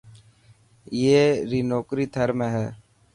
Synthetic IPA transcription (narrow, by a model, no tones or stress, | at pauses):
jeːɾiːnoːkɾiːt̪ʰəɾmẽːɦɛː